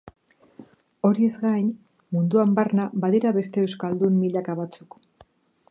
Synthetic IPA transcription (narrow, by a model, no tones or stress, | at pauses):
o̞ɾie̞zɡajn | mund̪uambaɾnabaðeɾaβe̞st̪e̞ːwskald̪umːiʎakaβ̞at͡suk